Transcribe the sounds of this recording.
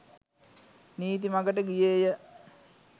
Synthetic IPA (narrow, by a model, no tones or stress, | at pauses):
niːt̪̬imaɡəʈəɡijeːjə